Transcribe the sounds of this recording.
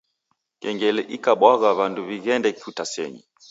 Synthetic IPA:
kɛŋɡɛlɛʔikaɓwaɣaβanduβiɣɛndɛkfutasɛ̰ɲi

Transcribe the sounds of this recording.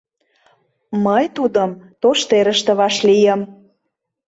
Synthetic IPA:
məjt̪ud̪əmt̪oʃt̪eɾəʃt̪ə̆βɑʃlijəm

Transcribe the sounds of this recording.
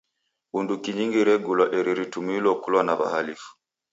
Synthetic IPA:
undukiɲiŋɡiɾɛɡulwaʔiɾiɾitumilwɔkulwanaβa̰halifu̥

